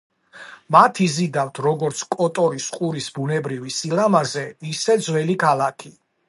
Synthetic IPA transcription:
mat̪ʰizid̪aft̪ʰɾɔɡɔɾt̪sʰkʼɔt̪ʼɔɾisqʼuɾisbunɛbɾivisilamazɛisɛd̪zwɛlikʰalˠakʰi

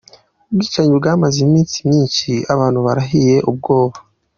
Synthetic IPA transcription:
uɡiːt͡ʃaɲubɡaːmazimiːnsimɲiːɲt͡ʃiaβaːn̥uβaɾaɦije̞ʔub̚ɡo̞ːβa

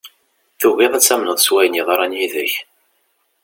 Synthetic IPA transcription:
θuɣiðˤæt͡sːæmnəðˤswæjniðˤɑɾˤænjiðəç

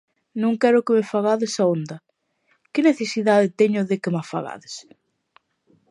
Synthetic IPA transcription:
nũŋkɛɾʊkemefaɣaðɪsaond̪ɐ | kɪneθesiðaðɪt̪ɛɲʊðekemafa̰ɣa̰ðes

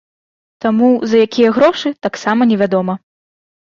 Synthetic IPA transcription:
t̪amuzɐjakʲijɐɣɾɔʂɨt̪aksamɐnʲɛvʲad̪ɔmɐ

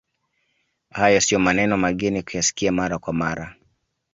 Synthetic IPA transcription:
hajɔsiɔmanɛnɔmaɠɛnikujasi̥kiamaɾakwamaɾa

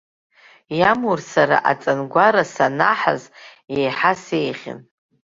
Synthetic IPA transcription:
jamursaɾa̰ʔat͡sʼanɡʷaɾasanaħa̰zejħasejχʲɪ̰n

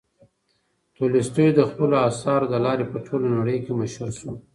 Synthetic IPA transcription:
t̪ulɪst̪əjod̪əxpəloɑsɑɾod̪əlɑɾepəʈʰolonaɽəjkeməʃhuɾsu

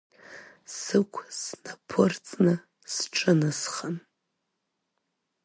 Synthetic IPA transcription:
sɨkʷʰsnapʰɨrt͡sʼnɨ | sʈ͡ʂʼɨnɨsχən

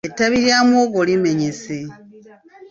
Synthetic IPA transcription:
etaβiɾjamoɡolime̞ɲese

